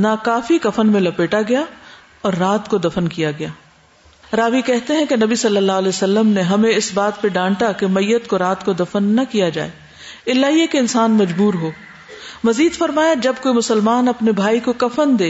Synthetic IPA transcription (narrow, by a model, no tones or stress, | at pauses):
nakaːfikɐfənmẽlɐpeːʈaɡɐja | ɔːɾːaːt̪kod̪ɐfənkijaɡɐjaː | ɾaːʋikɛɦt̪eɦɛ̃kenɐbisɐlːəlːaːɦlɛːsɐlːəmneɦɐmẽɪsbaːt̪̚peɖãːɳʈakemɐjːət̪koɾaːt̪kod̪ɐfənːɐkijad͡ʒa̰ːeː | ɪlːaːɦiekeɪnsaːnmɐd͡ʒbuːɾɦoː | mɐziːd̪fɐɾmaːjad͡ʒɐb̚koːimʊsəlmaːnɐpnebʱaːikokɐfənd̪eː